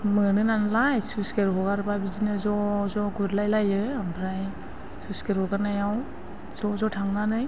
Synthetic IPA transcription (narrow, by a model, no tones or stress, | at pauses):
mɯnɯnanlajsuskeɾɦɔɡaɾbabizinɯzɔzɔɡuɾlajlajɯambʰɾaj | suskeɾɔɡanajaw | z̥ɔzɔtʰaŋnanɯj